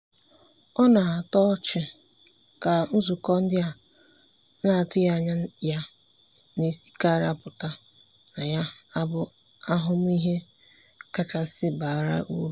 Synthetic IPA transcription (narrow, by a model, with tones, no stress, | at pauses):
ɔ˦na˨a˨tɔ˦t͡ʃɪ˦ | ka˨n̩˦zʊ˨kɔ˦n̩˦dɪ˦a˨˦ | na˨tʊ˦ja˦˨ɲa˦ja˦ | ne˨si̥˦ka˦ɾa˦pʊ˨ta˦ | na˨ja˦a˦bʊ˦a˦ɦʊ˦m˦i˦ɦe˦ | ka˦t͡ʃa˨sɪ˦ba˨ɾa̰˦ʔu˦˨